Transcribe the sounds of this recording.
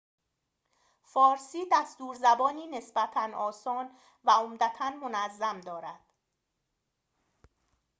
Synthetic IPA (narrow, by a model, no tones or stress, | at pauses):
fɒːɾsiːd̪æst̪uːɾzæbɒːniːne̞sbæt̪ʰænɒːsɒːn | væomd̪æt̪ʰænmo̞næzːæmd̪ɒːɾæd̪̥